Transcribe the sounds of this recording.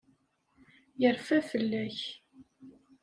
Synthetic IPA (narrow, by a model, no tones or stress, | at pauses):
jəɾfæfəlːæç